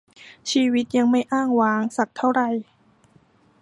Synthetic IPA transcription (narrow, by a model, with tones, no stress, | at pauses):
t͡ɕʰiː˧wi˦˥t̪̚ja˧ŋma˥˩jʔaː˥˩ŋwaː˨˦˥ŋsa˨˩k̚t̪ʰa˥˩wɾa˨˩j